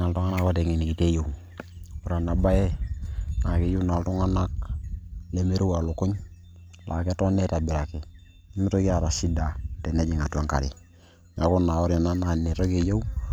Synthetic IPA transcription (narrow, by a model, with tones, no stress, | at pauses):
a˨ltu˦ŋa˦na˦ka˦te˨ŋi˨ni˨ki˨te˦jo˨w | u˨ɾa˨na˨ba˦je˦na˨ke˦ju˦na˨ltu˦ŋa˦na˦k̚ | le˦me˦ɾu˦wa˨lu˨ku˦ɲ | lʔa̰˨ke˦to˦ne˦ta˨bi˨ɾa˨ki˨ | i˦mi˦to˦ki˦a˨ɾa˨si˦da˨te˨ne˦d͡ʒi˨ŋa˨twa˦ŋka̰˨ɾḭ˨ | ŋa˨ko˦nːa˨o˦ɾa˨na˦na˨ne˨to˦ke˨jo˦u